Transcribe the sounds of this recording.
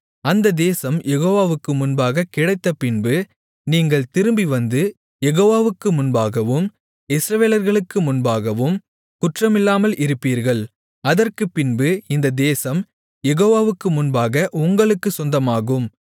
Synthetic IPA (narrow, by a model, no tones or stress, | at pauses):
ɐnd̪ɐd̪eːsɐmjʔɛɣoːʋaːʋɯkːɯmʊnbaːɣɐkɪɽɐɪt̪ːɐpɪnbɯ | niːŋɡɐɭt̪ɪɾɯmbiʋɐnd̪ɯ | jɛɣoːʋaːʋɯkːɯmʊnbaːɣɐʋɯm | ɪsɾɐʋeːlɐɾɣɐɭɯkːɯmʊnbaːɣɐʋɯm | kʊʈrɐmɪlːaːmɐlʔɪɾɯpːiːɾɣɐɭ | ɐðɐrkɯpːɪnbɯɪnd̪ɐd̪eːsɐm | jɛɣoːʋaːʋɯkːɯmʊnbaːɣɐʔʊŋɡɐɭɯkːɯsɔnd̪ɐmaːɣɯm